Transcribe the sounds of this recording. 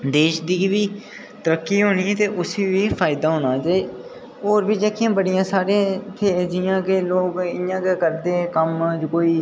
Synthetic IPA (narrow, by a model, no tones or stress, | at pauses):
d̪eːʃd̪iːʋiː | t̪əɾəkːiːɦoːniːɛt̪eːʔʊseːʋiːpʰaːɪd̪aːɦoːnaːd͡ʒaːiː | oːɾbiːd͡ʒeːkʰɪjãːbəɽɪjãːsaːɾeːt̪ʰeːd͡ʒɪːãːkeloːɡɪjãːkekəɾd̪ẽːkəmd͡ʒkoːiː